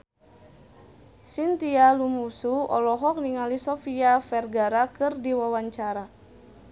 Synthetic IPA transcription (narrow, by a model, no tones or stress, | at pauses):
sint̪ialumusuɔ̰lɔɦɔk̚niŋalisɔfiafɛrɡaɾakɨrdiwawaɲt͡ʃaɾa